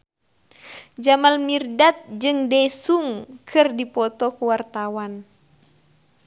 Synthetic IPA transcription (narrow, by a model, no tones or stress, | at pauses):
d͡ʒamalmirdat̪̚d͡ʒɨŋdɛsuŋkʰɨrdipɔt̪ɔkuwart̪awan